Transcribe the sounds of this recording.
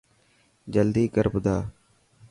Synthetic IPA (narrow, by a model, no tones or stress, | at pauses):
d͡ʒəld̪iːkəɾbd̪aː